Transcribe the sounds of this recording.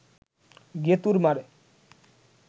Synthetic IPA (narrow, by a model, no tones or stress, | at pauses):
ɡet̪uɾmaɾe